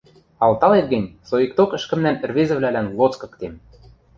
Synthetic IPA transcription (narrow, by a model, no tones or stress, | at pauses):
ɑlˠt̪ɑlet̪̚ɡə̆nʲsoik̚t̪okə̆ʃkə̆mnænɘ̆rβezɘ̆βlælænlˠot͡skɤ̆kt̪em